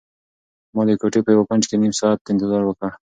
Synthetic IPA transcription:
mɑd̪ekoʈepəjawapand͡ʒkenimsɑːt̪̚ːɪnt̪ɪzɑɾwəkəɽ

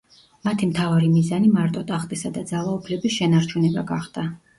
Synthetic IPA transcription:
mat̪ʰimt̪ʰavaɾimizanimaɾt̪ʼɔt̪ʼaχt̪ʼisad̪ad̪zalˠaupʰlɛbisʃɛnaɾt͡ʃʰunɛbaɡaχd̪̥a

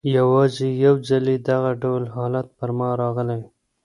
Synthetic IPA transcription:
jawɑzejawd͡ʒaled̪aɣaɖawlɦɑlat̪̚pəɾmɑɾɑɣəlaw

